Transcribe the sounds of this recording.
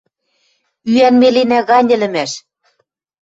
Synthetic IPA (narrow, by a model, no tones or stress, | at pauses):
yænmelenæɣɑnʲɘ̆lɘ̆mæʃ